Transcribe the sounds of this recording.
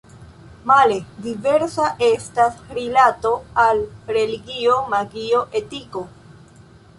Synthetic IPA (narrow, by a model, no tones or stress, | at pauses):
maledive̞ɾsaʔe̞stasɾilato̞alɾe̞liɡio̞maɡio̞ʔe̞tiko̞